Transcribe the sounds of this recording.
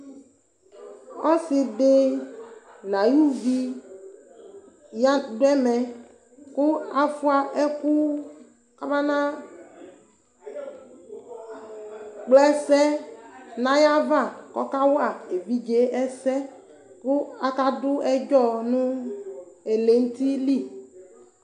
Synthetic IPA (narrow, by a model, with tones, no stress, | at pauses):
ɔ˦si˨ɖe˦ | nã˨ju˦vi˦ | ja˦dʊ˦ɛ˦mɛ̃˨ | ku˦a˨fu˦a˨ʔɛ˦ku˦ | ka˦ba˦nã˦ | k͡plɛ˦sɛ˦nã˦ja˦va˦˨kɔ̰˦ka˦wa˨e˨vi˦d͡ʒe˦ʔɛ˦sɛ˦ | ku˦a˨ka˦dʊ˦ɛ˦d͡ʒɔ˦nũ˦ | e˨le˨n̩˦t̪i˦li˦˨